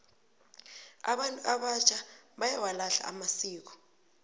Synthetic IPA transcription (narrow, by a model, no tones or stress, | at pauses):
a̰ɓantʼuaɓat͡ʃʰaɓajawalaɬa̰amasiːk̬ɔ̥